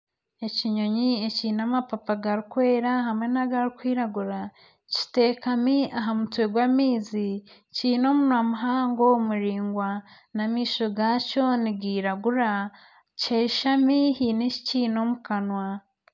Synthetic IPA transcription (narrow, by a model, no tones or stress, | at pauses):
e̞ciɲo̞ɲie̞ciːnamapapaɡaɾikwe̞ːɾaɦamŋe̞naɡaɾikwiːɾaɡuɾa | ci̥te̞ːkamiaɦamutweɡwamiːzi | ciːno̞munwamuɦaːŋɡo̞muɾiːŋɡwa | namiːʃo̞ɡaco̞niɡiːɾaɡuɾa | ceːʃamihiːneci̥ciːno̞mukanwa